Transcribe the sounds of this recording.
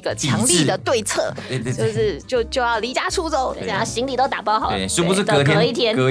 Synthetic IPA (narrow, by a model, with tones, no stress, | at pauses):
i˧˥ɡə˧t͡ɕʰjɑ˧˥ŋli˥˧d̪ə˩t̪we˥˧ɪt͡sʰɤ̰˥˩t͡ɕjo˥ʊʂɻ̩˥˧t͡ɕjo˥˧ʊt͡ɕjo˥˧ʊjɑ˥˩ʊli˧˥t͡ɕja˥ʈ͡ʂʰu˥˧t͡so˥˧ʊa˥˩˥ɕi˧˥ŋli˨˩t̪o˥ʊt̪a˨˩pɑ˥˩ʊxɑ˨˩˦ʂ̩˥pu˧˥ʂɻ̩˥˩˧kʰɛ˥˧i˥˩t̪ʰjɛ˥n˧